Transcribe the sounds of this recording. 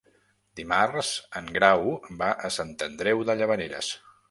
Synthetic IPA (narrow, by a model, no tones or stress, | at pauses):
d̪imarzəŋɡɾawbaʔəsant̪ənd̪ɾɛwðəʎəβəneɾə̰s